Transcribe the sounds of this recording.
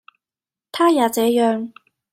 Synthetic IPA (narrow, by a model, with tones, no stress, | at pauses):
t̪ʰaː˥jaː˨˧t͡sɛː˨˥jœː˨ŋ